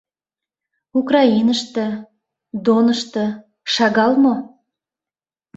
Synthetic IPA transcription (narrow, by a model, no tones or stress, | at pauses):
ukrɑinəʃt̪ə̆ | d̪onəʃt̪ə̆ | ʃɑɣɑlmo